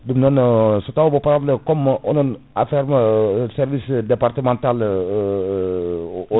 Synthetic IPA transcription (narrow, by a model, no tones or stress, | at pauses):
dəmnɔnsot̪abɔpɾabləkɔmɔnɔn | a̰fɛrmsɛrvisd̪epart̪əmãnt̪al